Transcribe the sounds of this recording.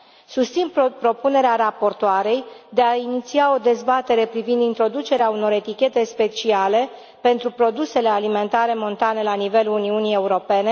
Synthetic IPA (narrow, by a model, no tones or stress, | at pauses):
sust̪sinppɾo̞pune̞ɾeaɾapo̞rt̪oaɾe̞jd̪e̞ainit̪siao̞d̪e̞zbat̪e̞ɾe̞pɾivind̪int̪ɾo̞d̪ut͡ʃe̞ɾeauno̞ɾe̞t̪ikʲe̞t̪e̞spe̞t͡ʃiale̞ | pe̞nt̪ɾupɾo̞d̪use̞le̞alime̞nt̪aɾe̞mo̞nt̪ane̞lanive̞luuniunije̞uɾo̞pe̞ne̞